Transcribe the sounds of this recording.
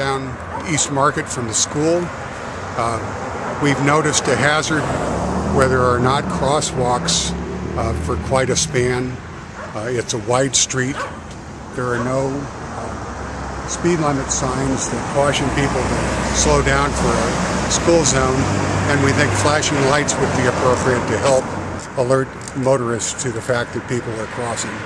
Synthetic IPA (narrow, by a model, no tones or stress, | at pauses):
ãʊ̃n | ist̚mɑɹkɨtfɹʌ̃mðɨskulˠ | wivnoʊɾɨstɨɦæzə˞d̚wɛðə˞ːnət̚kʰɹ̥ɔswɔks | fə˞kʰw̥aɪɾɨspæ̃n | ɪtsəwaɪd̥stɹ̥it̪̚ | ðə˞ːnoʊ | spidˡlɪ̃mɨtsãɪ̃nzðɨt̚kʰɔʃɪ̃ŋpipl̩ˠwɨdsloʊdãʊ̃nfə˞ɨskulˠzõʊ̃nɨ̃nwiθɪ̃ŋkflæʃɪ̃ŋlaɪtswɨd̚biɨpʰɹ̥oʊpɹiɨtʰɨɦɛlˠp | əlɜ˞t̚ | moʊɾə˞ɨstʰɨðɨfæk̚ðɨt̚pʰipl̩ˠə˞kʰɹ̥ɔsɪ̃ŋ